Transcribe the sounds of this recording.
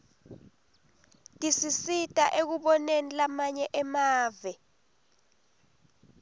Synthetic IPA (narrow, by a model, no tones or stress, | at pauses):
tʼisisitʼaʔek̬uɓɔnenilamaɲɛʔɛmaːvɛ